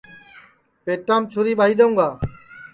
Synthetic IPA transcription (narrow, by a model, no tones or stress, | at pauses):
peːʈãːmt͡ʃʰʊɾiːɓaːɦiːd̪əũːɡaː